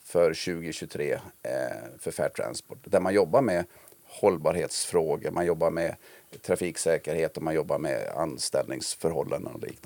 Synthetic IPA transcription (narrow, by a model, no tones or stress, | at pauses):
fœɾɕʉ̟ːɡɪɕɵt̪ʰɾeː | fœɾfæ̰ːʈʰɾa̰nspɔʈd̪æɾmanjɔbːaɾmɛ | hɔlbɑːɾheːt̪sfɾoːɡəmʔanjɔbːaɾmɛt̪ʰɾafiːksɛːkəɾheːt̪ɔmanjɔbːaɾmɛ̰a̰nst̪ɛ̰lnɪŋsfœɾhɔlːa̰nd̪ə̰nɔ̰lḭːkn